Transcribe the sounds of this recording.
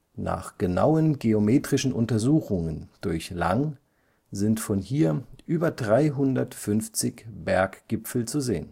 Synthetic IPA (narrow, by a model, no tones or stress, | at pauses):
na̰ːχɡ̥əna̰ʊənɡeomeːtʁ̥ɪʃn̩ʔʊntɐzuːxʊŋənd̥ʊɐçla̰ŋ | zɪntfɔnhiːɐʔyːbɐdʁaɪɦʊndɐtfʏnft͡sɪçb̥ɛɐkɡ̥ɪpp͡fl̩t͡suzḛːən